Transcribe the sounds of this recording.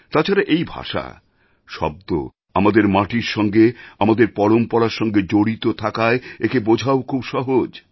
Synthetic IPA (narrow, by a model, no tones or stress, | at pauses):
t̪at͡ɕʰaɾaʔejbʱa̰ʃa̰ | ʃɔ̰b̚d̪o̰ | amad̪eɾmaʈiɾʃɔŋɡeamad̪eɾpɔɽompɔɽaɾʃɔŋɡed͡ʑoɽit̪ot̪ʰakaeekebod͡ʑʱaokʰubʃɔɦod͡ʑ